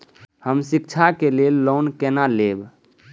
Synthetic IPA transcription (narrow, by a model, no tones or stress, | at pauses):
həmsik̚t͡ʃʰakelelːonkenaleb